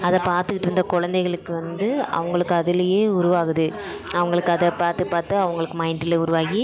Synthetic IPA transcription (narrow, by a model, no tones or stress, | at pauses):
ɐðɐpaːɾt̪ɯkːɪʈːɯɾɯnd̪ɐkɔɻɐnd̪ɐɪɣɐɭɯkːɯʋɐnd̪ɯɐ̰ʋɐŋɡɐɭɯkːɯɐðɪlɐjeːʊɾʊʋaːɣɯðɯ | ɐʋɐŋɡɐɭɯkːɯɐðɐpaːɾt̪ɯpaːɾt̪ɯɐʋɐŋɡɐɭɯkːɯmɐɪnʈɪleʊɾʊʋaːɣi